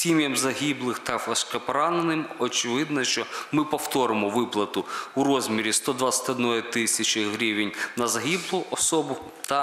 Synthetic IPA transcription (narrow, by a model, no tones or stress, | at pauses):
sʲimʲjɐmzɐɦʲiblˠɪxt̪ɐfɐʃkɛpɔɾɑnenɪmɔt͡ʃɪʋɪd̪nɐʃt͡ʃɔmɪpɔwt̪ɔɾɪmɔʋɪplˠɐt̪ʊuɾɔzʲmʲiɾʲist̪ɔd̪ʋasʲɐ̥t̪ʲɔd̪nɔjit̪ɪsʲɐt͡ʃɪɦɾʲiʋʲɪnʲnɐzɐɦʲiblˠʊʔɔsɔbʊ | t̪ɐ